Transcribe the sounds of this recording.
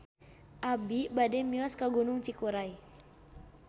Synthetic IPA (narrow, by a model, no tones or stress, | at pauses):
ʔabibadɛmiaskaɡunuŋt͡ʃikuɾai